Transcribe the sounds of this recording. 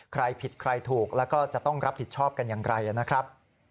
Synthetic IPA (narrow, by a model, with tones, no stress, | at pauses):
kʰɾa˧jpʰi˨˩t̪̚kʰɾa˧jt̪ʰuː˨˩k̚lɛː˦˥wkɔː˥˩t͡ɕa˨˩t̪ɔ˥˩ŋɾa˦˥p̪̚i˨˩t͡ɕʰɔː˥˩p̚ka˧njaː˨˩ŋɾa˧jʔa˨˩na˦˥kʰɾa˦˥p̚